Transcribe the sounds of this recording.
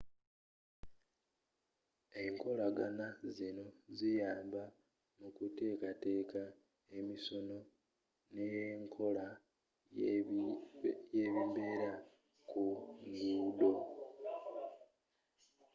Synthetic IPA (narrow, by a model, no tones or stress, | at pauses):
e̞ŋko̞laɡanazino̞zijaːmba | mukute̞ːkate̞ːka | e̞misono̞ | neŋkʰo̞la | jeβimbe̞ɾa | kuŋɡuːdo̞